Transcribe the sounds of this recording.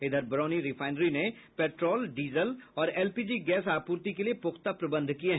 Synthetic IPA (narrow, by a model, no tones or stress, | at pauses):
ɪd̪ʱəɾbɐɾɔːniɾɪfʰaːɪnɾine | pɛːʈɾɔːlɖiːzəlɔːɾɛːlpiːd͡ʒiɡɛːsaːpuːɾt̪ikeliepʊxt̪apɾɐbə̃nd̪ʱkieɦ